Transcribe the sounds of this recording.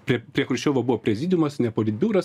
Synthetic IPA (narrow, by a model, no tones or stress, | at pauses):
pʲɾʲɛɾʲiɛkɾʊʃʲt͡ʃʲoːʋoːbʊʋoːpʲɾʲɛzʲɪːd̪ʲɪjmɐsnʲɛpoːlʲɪt̪̚ʲbʲuːɾɐs